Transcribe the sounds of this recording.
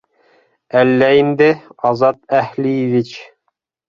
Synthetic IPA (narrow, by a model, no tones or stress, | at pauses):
ælːæind̪ɪɑzɑt̪æhlijivit͡ɕ